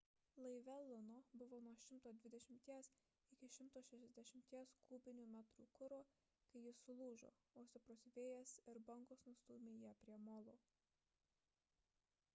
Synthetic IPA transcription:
lˠɐɪʋʲɛlˠʊnoːbʊʋoːnuɔʃʲɪmt̪oːd̪ʲʋʲɪd̪ʲɛʃʲɪmʲt̪ʲiɛs | ɪkʲɪʃʲɪmt̪oːʃʲɛʃʲɛzʲd̪ʲɛʃʲɪmʲt̪ʲiɛskʰuːbʲɪnʲuːmʲæt̪ɾṵːkʊɾoː | kɐɪjɪsʊlˠuːʒo̰ː | oːsʲɪpɾoːsʲʋʲeːjɛsɪɾbɐŋkoːsnʊst̪uːmʲeːjiɛpʲɾʲiɛmoːlˠoː

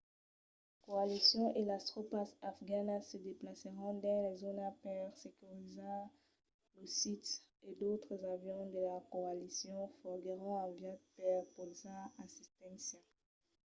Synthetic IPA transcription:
koalisjɔ̃ʔelast̪χopasafɡanasəd̪eplasəʁɔ̃d̪ɑ̃lɛzonapɛʁsekyʁizã | losit̪ed̪ot̪χəzavjɔ̃d̪əlakoalisjɔ̃fɔʁɡəʁɔ̃ɑ̃vjad̚pɛʁpɔlzãasist̪ɛ̃sja

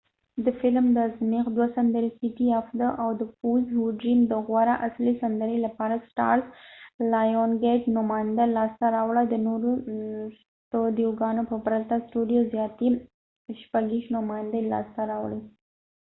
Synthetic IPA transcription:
d̪əfɪlmd̪əzmiqd̪wasand̪əɾesiʈiafd̪əʔawd̪əpuzhuɖɾimd̪əɣwaɾaʔaslisand̪əɾelapɑɾasʈɑ̰ɾlajonɡeʈnʊmɑjɪnd̪alɑst̪aɾɑwɽad̪ənoɾos | tod̪ijoɡɑnopəpɾat̪asʈuɖijozjɑt̪i | ʃpaɡiʃnʊmɑjnd̪əlɑ̰st̪aɾɑwɽi

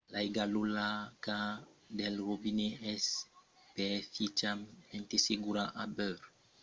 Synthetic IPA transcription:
laiɡalulakad̪ɛlɾobineɛspɛfit͡ʃament̪eseɡuɾaʔabøɾ

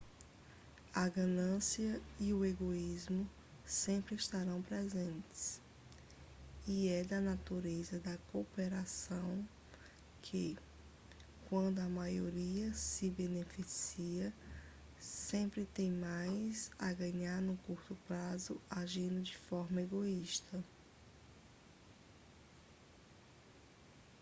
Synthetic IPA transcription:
ɐɡɐ̃nɐ̃siɐiʊeɡoizmʊ | sẽmpɾɪiʃt̪aɾɐ̃w̃pɾɛzẽnt̪ɪ̥ | iɛd̪ɐnat̪uɾezɐd̪ɐkopeɾasɐ̃w̃ | kʰɪ | kwɐ̃nd̪ʊɐmajoɾiɐsɪbenefisiɐ | sẽpɾɪt̪ẽj̃majzɐɡɐ̃ɲaɾnʊkuɾt̪ʊpɾazʊaʒĩnd̪ʊd͡ʒɪfɔɾmɐeɡoiʃt̪ɐ

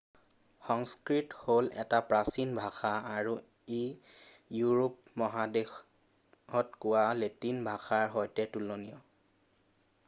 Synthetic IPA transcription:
xɔŋskɹitholʔɛ̰tapɹasinbʱaxaːɹu | e | juɹopmɔɦadex | ɔtkʊwaletinbʱaxaɹɦɔjtɛtulonijɔ

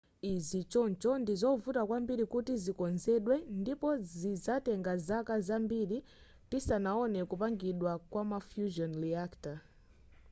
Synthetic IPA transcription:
izit͡ʃɔnt͡ʃɔndizɔvutakwambiɾikutizikɔnzɛɗwɛndipɔzizatɛŋɡazakazambiɾi | tisanaɔnɛkupaŋɡiɗwakwamafjuʒɔnɾiakta

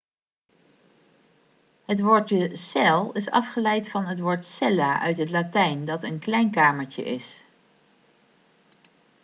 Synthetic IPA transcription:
ɦətʋoːɹtəsɛlˠɪsɑ̰fχəlɛjtfɑnɦətʋoːɹtsɛlaːʔœɥtɦətlaːtɛjndɑtənklɛjnkaːməɹcə̰ʔɪs

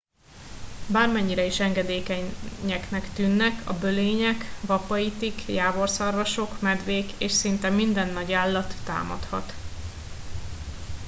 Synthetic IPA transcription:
baːrmɛɲːiɾɛiʃɛŋɡɛd̪eːkɛɛknɛkt̪ynːɛkʰɒbøleːɲɛkvɒpɒit̪ikjaːbo̞rsɒrvɒʃo̞kmɛd̪ʋeːkeːʃsint̪ɛmind̪ɛnːɒɟaːlːɒt̪ːa̰ːmɒ̰t̪hɒ̰t̪

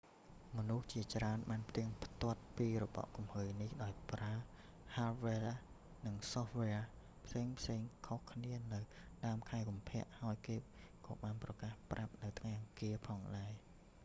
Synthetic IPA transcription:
mɔnuht͡ɕiət͡ɕraənɓaːnpʰt̪iəŋpʰt̪ŏət̪̚piːrɔɓɑ̰ʔkumhəːjnihɗaɔjpraə | halʋela | nɨŋsohʋea | pʰseːŋpʰseːŋkʰohkʰniənɨwɗaəmkʰaɛkumpʰɛ̆əʔhaɔjkeːkɑ̰ːɓaːnprɑkaːhprap̚nɨwt̪ʰŋajʔɑŋkiəpʰɑːŋɗaɛ

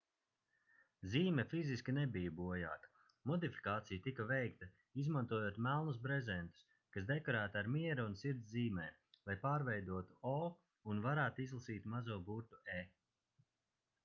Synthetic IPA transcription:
ziːmɛfiziskʲinɛbijabuɔja̰ːkɐ̥ | mɔd̪ifi̥kaːt̪sijat̪ikɐvɛjkt̪ɐ | izmant̪uɔjoːt̪mælˠnus̬bɾɛzɛnt̪u̥s | kasd̪ɛkɔɾæːt̪aɾmiɛɾuunsiɾt̪zziːmɛː | lˠajpaːɾvɛjd̪uɔt̪uɔ | unvaɾæːt̪izlˠasiːt̪mazuɔbuɾt̪ueː

